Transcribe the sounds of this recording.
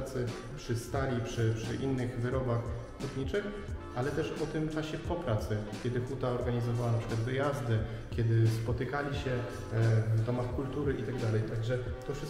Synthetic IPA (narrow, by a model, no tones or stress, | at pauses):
t̪sɘ | pʂɘst̪alʲipʂɘpʂɘʔinːɘɣvɘɾɔbax | k̪ut̪ɲit͡ʂɘx | ʔalɛt̪ɛʂɔt̪ɘmt͡ʂaɕɛpɔpɾat̪sɘkʲɛd̪ɘxut̪aɔɾɡaɲizɔvawanapʂɘ̥kwad̪vɘjazd̪ɘ | kʲɛd̪ɘspɔt̪ɘkalʲiɕɛ | vd̪ɔmaxkult̪uɾɘʔit̪aɡd̪alɛjt̪aɡʐɛt̪ɔfʂɘ